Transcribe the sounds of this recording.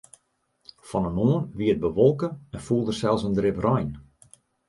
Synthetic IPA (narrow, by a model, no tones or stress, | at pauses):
fɔnənoənʋiət̚bəʋɔlˠkəɛnfulˠdərsɛlˠsəndrɪprɔjn